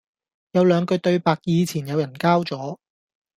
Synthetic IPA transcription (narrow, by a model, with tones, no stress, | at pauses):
jɐ˨˧wlœː˨˧ŋkɵ˧ɥt̪ɵ˧ɥpaː˧k̚jiː˧t͡sʰiː˨˩njɐ˨˧wjɐ˨˩nkaː˥wt͡sɔː˨˥